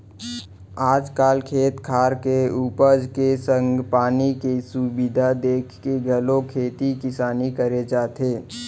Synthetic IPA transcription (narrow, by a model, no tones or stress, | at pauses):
aːd͡ʒkaːlkʰeːt̪kʰaːɾkeuːpəɾd͡ʒkesə̃ŋɡpaːnikisubɪd̪ʱad̪eːkʰkeɡəlokʰeːt̪ikɪsaːnikəɾed͡ʒaːt̪eː